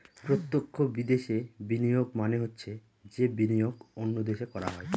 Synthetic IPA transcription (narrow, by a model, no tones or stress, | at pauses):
pɾot̪ːokʰːobid̪eʃebinijoɡ̚maneɦotːɕʰe | d͡ʑebinijoɡonːod̪eʃekɔɾa̰ɦɔe